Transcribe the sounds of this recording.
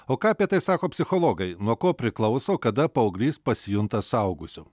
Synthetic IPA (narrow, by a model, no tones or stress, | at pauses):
oːkɑːɐpʲiɛt̪ɐɪsɑːkoːpʲsʲɪxolˠoːɡɐɪnuɔkoːpʲɾʲɪklˠɐʊsɐkɐd̪ɐpɐɐʊɡlʲiːspɐsʲɪjʊnt̪ɐsɐʊɡʊsʲʊ